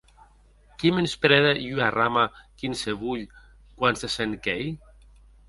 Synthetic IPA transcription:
kimenspɾeðejyaramakinseβuʎ | kwanseseŋkej

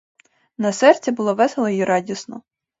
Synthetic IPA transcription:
nɐsɛrt͡sʲɐbʊlˠɔʋɛselˠɔjiɾɑdʲisnɔ

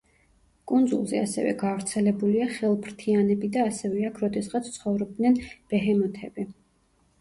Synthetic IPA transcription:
kʼund̪zṵlˠzɛ̰asɛ̰vɛ̰ɡavɾt̪sʰɛlɛbuliaχɛlˠpʰɾt̪ʰianɛbid̪aːsɛvɛakʰɾɔd̪ɛsʁat̪sʰt̪sʰχɔvɾɔb̚d̪nɛnb̥ɛɦɛmɔt̪ʰɛbi

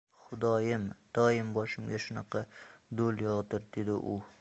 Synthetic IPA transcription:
χʊd̪ɒjɪmd̪̥ɒjɪmbɒʃɪmɡʲaʃʊnɑqʰɑd̪olˠjɒt̪ɪɾd̪e̞d̪ɪ̰ʔʊ

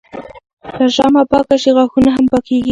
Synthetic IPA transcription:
t̪aʒɑmapɑkaʃiɣaxunaɦampakeɡi

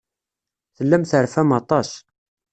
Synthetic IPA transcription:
θəlːæmθəɾfæmɑt̪ˤɑs

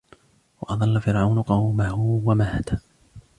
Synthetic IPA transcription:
wɑ̰ʔɑd̪ˤɑlːafɪɾʕawnʊqɑwmahʊwamahat̪a

